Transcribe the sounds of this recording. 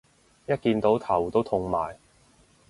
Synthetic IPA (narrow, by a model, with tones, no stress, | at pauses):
jɐ˥t̚kiː˧nt̪o˨˥wt̪ʰɐ˨˩wt̪o˥wt̪ʰʊ˧ŋmaː˨j